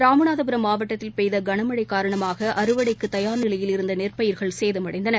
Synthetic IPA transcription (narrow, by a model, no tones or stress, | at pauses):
ɾaːmɯnaːðɐpɯɾɐmːaːʋɐʈːɐt̪ːɪlpɛjðɐɡɐɳɐmɐɽɐɪkːaːɾɐɳɐmaːɣɐʔɐɾɯʋɐɽɐɪkːɯt̪ːɐjaːɾnɪlɐjɪlɪɾɯnd̪ɐneːrpɐjɪɾɣɐɭseːðɐmɐɽɐɪnd̪ɐnɐ